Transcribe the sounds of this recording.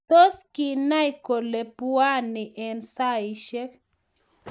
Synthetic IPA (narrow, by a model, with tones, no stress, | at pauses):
t̪o˦ski˨na˦jko˨le˨pua˦ni˨ʔe˨nsa˦i˨ʃe˦k